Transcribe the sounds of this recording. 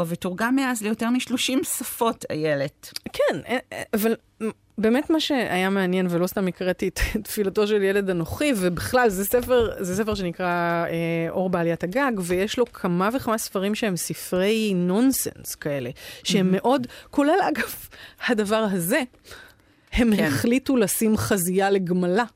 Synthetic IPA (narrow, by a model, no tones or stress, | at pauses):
avituʁɡamːeazlejoteʁmiʃlo̞ʃimsafo̞tʰa̰jeletkʰɛneaval | be̞ːmetmaʃe̞a̰jameanjenvelo̞stamikʁetittfilato̞ʃeljele̞danoχivebiχlalzɛsefeʁzɛs̬efeʃenikʁaeʔo̞ʁbaalijathaɡaɡvejeʃlo̞kʰamaveχamasfaʁimʃeemsifʁejno̞nsḛnskae̞le̞ʃehemːe̞ʔo̞dko̞le̞lʔaɡavhadɐvaʁɦaze̞ | he̞mheχlitulasimχazijaleɡmala